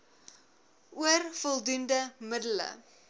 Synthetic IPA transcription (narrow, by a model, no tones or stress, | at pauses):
ʔuərfɔlˠdundəmədələ̰